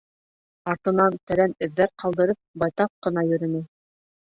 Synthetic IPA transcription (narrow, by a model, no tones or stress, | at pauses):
ɑɾt̪ɤ̆nɑnt̪æ̆ɾænɘ̆ðːæɾqɑlˠd̪ɤ̆ɾɤp̚bɑjt̪ɑp̚qɤ̆n̪ɑjɵ̆ɾɘ̆nɘ